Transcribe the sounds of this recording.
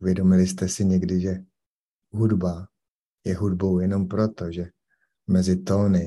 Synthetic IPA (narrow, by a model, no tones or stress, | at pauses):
uvjɛdo̞mɪlɪst̪ɛsɪɲɛɡdɪʒɛ | ɦudba | jɛɦudbo̞wjɛno̞mpɾo̞t̪oʒɛ | mɛzɪt̪o̞ːnɪ